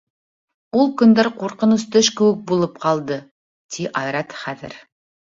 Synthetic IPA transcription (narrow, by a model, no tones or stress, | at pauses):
ulˠkɵ̆nd̪æɾquɾqɤ̆nɤst̪ɵʃkɘ̆wɘk̚bulˠɤp̚qɑlˠd̪ɤ | t̪ʰiʔɑjɾɑt̪χæðɘ̰ɾ